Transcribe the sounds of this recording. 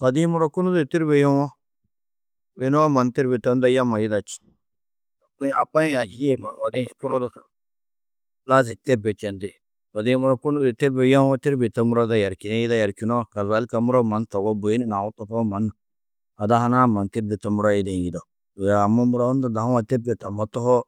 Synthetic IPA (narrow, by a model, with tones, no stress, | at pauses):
ka˨di˦mu˦ɾa˦ku˦nu˦de˨ti˦ɾbe˨ja˦wa˦ | be˨˦no˦a˦ma˨nti˦ɾbe˨ta˦n˦da˦ja˦ma˨ji˦da˨t͡ʃi̥˨˦ | a˨k͡pa˦a˨i˦ma˨wa˨di˦ku˦ɾo˦da˦sa˨ | la˦ze˨ti˦ɾbe˨t͡ʃɛ˨ndi˦˨ | wa˨di˦mu˦ɾa˦ku˦nu˦di˨ti˦ɾbe˨ja˦o˦ti˦ɾbe˨ta˦mu˦ɾa˦da˦ja˨ɾki˨na˦ji˦da˦ja˨ɾki˨no˦˨ka˨za˨˦lka˨mu˦ɾa˦ma˨˦nto˨ɡo˦bo˨ji˦ni˦na˨wu˦to˦pa˦ma˨˦nːa˨ | a˨da˦ha˦na˦ma˨ti˦ɾdi˨ta˦mu˦ɾa˦ji˦de˨ji˨da˨ | do˨ja˨ma˦mu˦ɾa˦u˦nda˦da˨a˦wa˨te˦ɾbe˨ta˨ma˦to˦ho˦